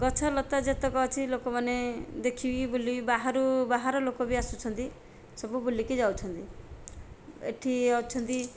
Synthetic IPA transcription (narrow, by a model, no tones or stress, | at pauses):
ɡɔt͡ʃʰɔlɔt̪ad͡ʒet̪ɔkɔɔt͡ʃʰilokɔmaned̪ekʰibibulibaɦaɾubaɦaɾɔlokɔbiasut͡ʃʰɔnt̪i | sɔbubulikid͡ʒawt͡ʃʰɔnt̪i | ḛʈʰiawt͡ʃʰɔnt̪i